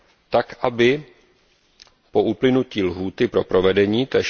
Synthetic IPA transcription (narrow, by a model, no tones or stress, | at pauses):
t̪akʔabɪ | po̞ʔuplɪnuciːlɦuːt̪ɪpɾo̞pɾo̞vɛdɛɲiːt̪ɛ